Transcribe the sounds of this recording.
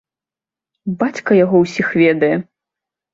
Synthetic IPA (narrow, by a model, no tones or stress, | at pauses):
bat͡sʲkɐjaɣɔwsʲixvʲɛd̪ɐjɛ